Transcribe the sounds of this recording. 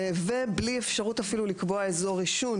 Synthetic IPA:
vebliefʃaʁutafilulikbo̞aezo̞ʁiʃun

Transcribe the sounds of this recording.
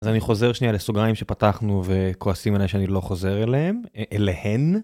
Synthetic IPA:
azaniχo̞ze̞ʁʃnialesoɡaimʃe̞pataχnuve̞kʰoasimeleʃeanilo̞χo̞ze̞ʁeleɦemelehen

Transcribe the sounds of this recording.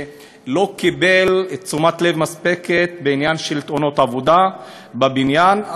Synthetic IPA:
lo̞kibelt͡sumat̪le̞vmaspeket̪beinjanʃelt̪ono̞t̪avod̪a | babinjan

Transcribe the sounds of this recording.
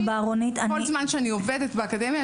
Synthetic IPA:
baːʁonit̪aolzmanʃeanioved̪etbeakad̪emja

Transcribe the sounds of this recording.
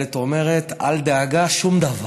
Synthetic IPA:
et̪ome̞ʁet̪a̰ld̪eaɡaʃumd̪ava

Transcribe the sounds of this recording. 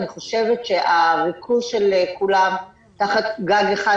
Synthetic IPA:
niχo̞ʃevetʃeʔaʁikʰuʃelekulam | taχat̪ɡaɡeχa

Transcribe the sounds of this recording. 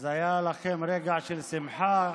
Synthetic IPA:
zajalaχemɾeɡaʕʃelsimħa

